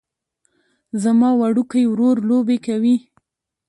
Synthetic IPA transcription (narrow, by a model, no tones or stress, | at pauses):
zamɑwaɽukajwɾoɾlobekawi